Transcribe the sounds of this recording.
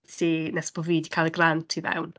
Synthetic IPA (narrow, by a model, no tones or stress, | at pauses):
tʰinɛsb̥ɔviːdikʰajlˠəɡrantʰiðɛ̰wn